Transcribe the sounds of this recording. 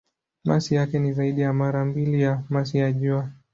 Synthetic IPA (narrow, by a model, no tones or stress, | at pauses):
masijakɛnizaiɗijamaɾambilijamas̬ijaʄua